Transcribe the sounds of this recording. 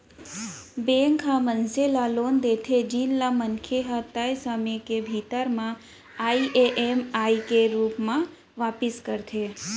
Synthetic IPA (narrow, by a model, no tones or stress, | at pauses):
beŋkɦamənselalond̪et̪ʰed͡ʒinlamənkʰeɦat̪ajsəmekebʱit̪əɾmã | aiʔeʔemaikeɾupmã | ʋapiskəɾt̪ʰe